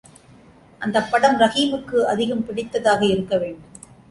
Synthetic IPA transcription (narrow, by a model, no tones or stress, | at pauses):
ʔɐnd̪ɐpːɐɽɐmɾɐɣiːmɯkːɯɐðɪɣɐmpɪɽɪt̪ːɐðaːɣɐɪɾɯkːɐʋeːɳɖɯm